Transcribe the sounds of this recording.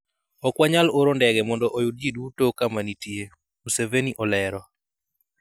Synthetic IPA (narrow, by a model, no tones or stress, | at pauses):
ɔkwaɲaloɾondɛɡɛmɔndɔʔojud̚d͡ʒidutokamanitie | museveniʔɔlɛɾɔ